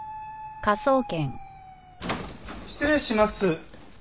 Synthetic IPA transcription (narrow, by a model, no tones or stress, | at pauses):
kaso̞ːkẽ̞ŋ | i̥t͡sɨɾeɕimasɨ